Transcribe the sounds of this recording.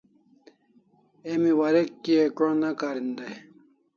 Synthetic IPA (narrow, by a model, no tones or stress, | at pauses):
emiwaɾekːiekɾõnakaːɾind̪aj